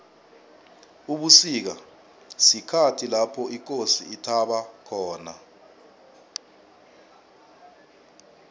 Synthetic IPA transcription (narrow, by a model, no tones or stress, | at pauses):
uɓusik̬a | sikʰatʰilapʰɔʔik̬ʼosiːtʰaɓakʰɔːna̰